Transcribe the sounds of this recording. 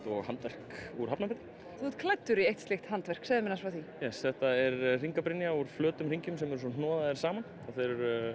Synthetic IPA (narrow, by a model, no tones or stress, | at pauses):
ɔɣhant̪vɛr̥kuɾ̥ɦapnapɪːt̪ːɪ | θut̪kʰlɛt̪ːʏɾiejht̪st̪ɪxt̪hant̪vɛr̥ksɛðɪmɪnasvawθijɛsθɛht̪aɛɾriŋkapɾɪnjauɾ̥flœːt̪ʏmr̥iɲcʏmsɛmɛɾs̬ɔn̥ɔːðaðɛɾ̥saːman | aθejɾʏɾ